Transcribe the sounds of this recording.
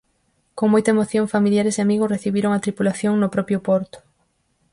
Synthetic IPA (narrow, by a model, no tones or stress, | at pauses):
koŋmojt̪ɐemoθjoŋfamiljaɾeseamiɣʊsreθiβiɾʊŋat̪ɾipulaθjoŋnʊpɾɔpjʊpɔɾt̪ʊ̥